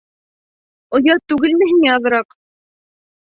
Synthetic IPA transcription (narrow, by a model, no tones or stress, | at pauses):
ŏjɑt̪ʉɡɘlmɘ̆ɦiŋæɑðɤ̆ɾɑq